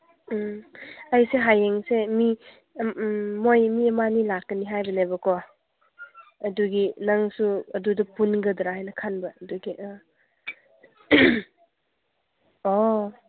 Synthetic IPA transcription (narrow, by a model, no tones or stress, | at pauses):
ajseɦajeŋsemi | mojmiemanilakːəniɦajbɐnebɐkʰɔ | ɐduɡinaŋsuɐdudɐpunɡɐdɾaajnɐkʰanbɐɐduɡiʔ | ɔ